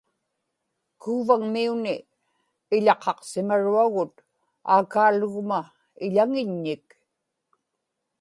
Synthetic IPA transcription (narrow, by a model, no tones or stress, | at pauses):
kuːvaŋmiunɪː | ʎɑqʰɑqsɪmaɻuaɣʊt̪ | a̰ːkaːlʊɣma | ɪʎaŋɪɲːɪk